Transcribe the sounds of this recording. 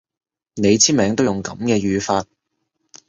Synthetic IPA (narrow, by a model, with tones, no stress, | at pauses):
ne˨˧jt͡sʰiː˥mɛː˨˧ŋt̪o˥wʊ˨ŋkɐ˨˧˥mkɛː˧jyː˨˧faː˧t̚